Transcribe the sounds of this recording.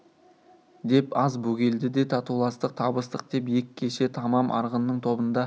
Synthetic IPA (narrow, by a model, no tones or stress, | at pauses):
d̪e̞pɑzbuɡʲe̞ld̪ɪd̪e̞t̪ʰɑt̪ulˠɑst̪əq̚t̪ʰɑbəst̪əq̚d̪e̞pje̞kʲʰːe̞ʃe̞t̪ʰɑmɑmʔɑ̰ɾʁənːəɴt̪ʰo̞bənd̪ɑ